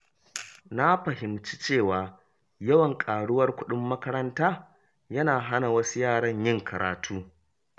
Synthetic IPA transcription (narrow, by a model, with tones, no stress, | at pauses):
na˦ɸɐ˨ɦɪ˨mt͡ʃi˦t͡ʃeː˦˨waː˨ | jɐ˦wɐ˨ŋkʼaː˨ɽʊ˦wɐ˦rkʷʊ˦ɗʊ˦mːɐ˦kɐ˦ɾɐ˦ntaː˦ | jɐ˦naː˨ɦa˦na˨wɐ˦su˦jaː˦˨ɽɐ˦ɲjɪ˦˨ŋkʰɐ˨ɾa̰ː˨tʰuː˦